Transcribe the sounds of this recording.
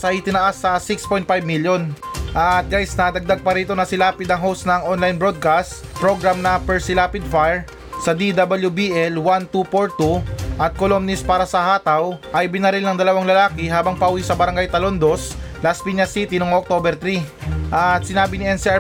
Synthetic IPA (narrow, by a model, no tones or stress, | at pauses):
sʔɐjt̪ɪnɐʔasːɐsikspojnt̪̚fajb̚miljonʔɐt̪̚ɡajsnɐd̪ɐɡ̚d̪aɡ̚pɐɾiːt̪o̞nɐsɪlaːpɪd̪ɐŋɦowst̪nɐŋʔonlajnbɹo̞d̪̚kast̪ | pɾo̞ɡɾamnɐpɛɹsɪlaːpɪd̪̚fajɹ | sɐd̪id̪abɐljubiʔɛlwant̪upoɹt̪uʔɐt̪̚kolomnɪspaːɾɐsɐhaːt̪ɐwʔɐjbɪnɐɾɪlnɐŋd̪ɐlɐwaŋlɐlaːkɪɦaːbɐŋpɐʔuwisɐbɐɾɐŋɡajt̪ɐlond̪oslaspiɲɐsit̪inoŋok̚t̪obɛɾt̪ɾiʔɐt̪sɪnaːbɪnɪʔɛnsia